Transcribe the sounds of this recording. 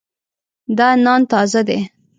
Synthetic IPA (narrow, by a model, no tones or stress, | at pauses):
d̪ɑnɑnt̪ɑzad̪e